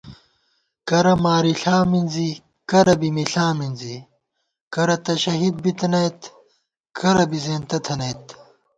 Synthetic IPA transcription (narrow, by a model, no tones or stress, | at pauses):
kɐɾɐmaːɾiɬaːminzi | kɐɾɐbimiɬaːminzi | kɐɾɐt̪ɐɕɐɦid̪̚bit̪ɐnɐjt̪ | kʰɐɾɐbizeːnt̪ɐt̪ʰɐnɐjt̪